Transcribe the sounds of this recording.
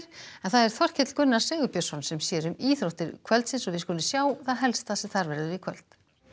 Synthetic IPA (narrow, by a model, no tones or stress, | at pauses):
ɾ̥ɛnθaðɛɾ̥θɔr̥cʰɪt̪l̥kʏnːaɾ̥sɛːɣʏpjasɔnsɛmsjɛːɾʏmiːθɾoht̪ɪɾkʰvœlt̪sɪnsɔvɪskɔːlɪsjaːwθaðɦɛlst̪asɛθaɾvɛɾðʏɾɪkʰvœlt̪